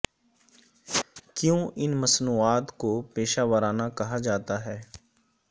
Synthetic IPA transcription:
kjõɪnmɐsnuːaːt̪kopeːʃaːʋəɾaːnakɐɦad͡ʒaːt̪aɦɛː

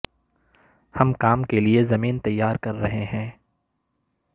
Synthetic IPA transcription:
hɐmkaːmkeliezɐmiːnt̪ɐjːaːɾkɐɾːɐɦeɦɛ̃ː

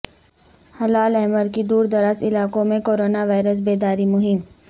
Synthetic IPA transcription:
hɐlaːlɛɦməɾkid̪uːɾd̪ɐɾəsɪlaːkõmẽkoːɾoːnaʋaːɪɾəs̬beːd̪aːɾimʊɦɪm

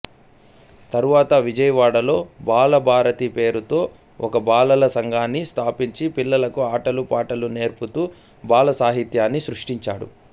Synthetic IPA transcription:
t̪ɐɾuʋaːt̪ɐʋid͡ʒɐjɐʋaːɽɐlo̞ːbaːlɐbʱaːɾɐt̪ipe̞ːɾut̪o̞ː | ɔkɐbaːlɐlɐsɐŋɡʱaːnːist̪ʰaːpiɲt͡ʃipilːɐlɐkuaːʈɐlupaːʈɐlune̞ːɾput̪uː | baːlɐsaːɦit̪jaːnːisɾuʂʈiɲt͡ʃaːɽṵ

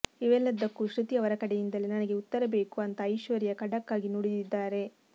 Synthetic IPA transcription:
iʋɛlːɐd̪ːɐkːuʃɾut̪ijɐʋɐɾɐkɐɽejind̪ɐlːinɐnɐɡe̞ut̪ːɐɾɐbe̞ːkuɐnt̪ɐːjʃʋɐɾijɐkɐɽɐkːaːɡinoɽid̪id̪ːaːɾe̞

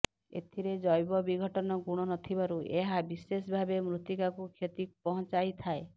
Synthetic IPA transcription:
ḛt̪ʰiɾed͡ʒɔjbɔbiɡʱɔʈɔnɔɡuɽ̃ɔnɔt̪ʰibaɾuʔeɦabisesbʱabemɾut̪ikakukʰjet̪ipɔɦɔ̃t͡ʃajt̪ʰae

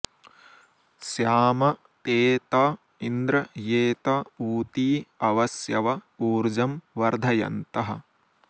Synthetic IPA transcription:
sjaːmɐ | t̪eːt̪ɐ | ind̪ɾɐjeːt̪ɐuːt̪iːɐʋɐsjɐʋɐuːɾd͡ʒɐmʋɐɾd̪ʱɐjɐ̰nt̪ɐɦɐ̆

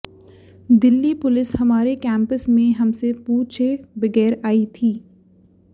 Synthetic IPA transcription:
d̪ɪlːipʊlɪshɐmaːɾekɛ̃ːmpəsmẽɦɐmsepuːt͡ʃʰebɐɡɛːɾaːit̪ʰiː

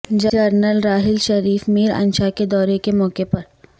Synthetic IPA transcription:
d͡ʒəəɾnəlɾaːɦɪlʃɐɾiːfmiːɾɐ̰̃nʃaked̪ɔːɾekemɔːkepɐɾ

